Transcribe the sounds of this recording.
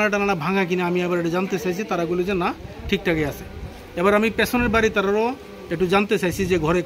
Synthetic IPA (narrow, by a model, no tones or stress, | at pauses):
naʈ̬anaɽabʱaŋak̬ineamiabaɾeʈad͡ʒant̪et͡ʃajt͡ʃʰit̪aɾaɡolid͡ʑenaʈʰik̚ʈʰakease | ebaɾamipesɔneɾbaɾit̪aɾaɾɔ | ek̚ʈud͡ʒant̪et͡ʃajt͡ɕʰid͡ʑeɡʱɔɾe